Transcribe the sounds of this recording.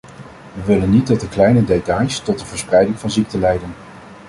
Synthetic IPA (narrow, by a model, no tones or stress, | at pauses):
ʋəʋɪlənːit̚dɑt̚dəklɛjnədejtɑjstɔt̚dəvəɹsprɛjdɪŋvɑnzik̚təlɛjdən